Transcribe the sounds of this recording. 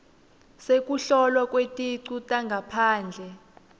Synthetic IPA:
sek̬ʼuɬɔlwakʼwetʼiǀutʼaŋɡʱapʰaːnd͡ɮʱɛ

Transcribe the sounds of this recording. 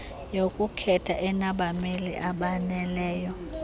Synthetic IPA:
jokʼukʰɛtʰaʔɛnaɓamelḭʔaɓanɛlɛːjɔ

